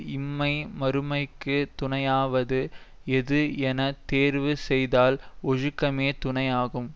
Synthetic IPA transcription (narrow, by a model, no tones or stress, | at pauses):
ɪmːɐɪmɐɾɯmɐɪkːɯt̪ʊɳɐjaːʋɐðɯ | ɛðɯɛnɐt̪eːɾʋɯsɛjðaːlɔɻɯkːɐmeːt̪ʊɳɐjaːɣɯm